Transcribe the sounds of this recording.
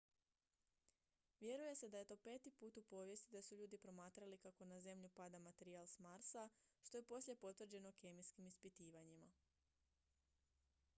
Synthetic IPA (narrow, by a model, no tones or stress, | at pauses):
ʋje̞ɾuje̞se̞d̪aje̞t̪o̞ːpe̞ːt̪ipuːt̪upo̞ːʋje̞st̪id̪asuʎuːd̪ipɾo̞maːt̪ɾalikako̞naze̞mʎupad̪amat̪e̞ɾialˠsmaɾsaʃt̪o̞je̞po̞slʲje̞po̞t̪ʋr̩d͡ʑe̞no̞ke̞miskimispit̪iːʋaɲima